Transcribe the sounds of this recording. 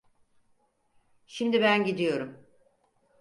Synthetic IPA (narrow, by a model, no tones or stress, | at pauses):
ʃimd̪ibænɟid̪ijo̞ɾum